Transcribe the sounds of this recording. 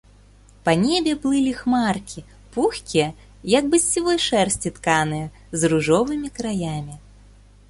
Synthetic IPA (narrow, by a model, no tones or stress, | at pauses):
panʲɛbʲɛplˠɨlʲixmarkʲʰi | puxʲkʲijɐ | jɐɡ̚bɨsʲt͡sʲivɔjʂɛrsʲt͡sʲit̪kanɨjɛ | zɾuʐɔvɨmʲikɾajamʲi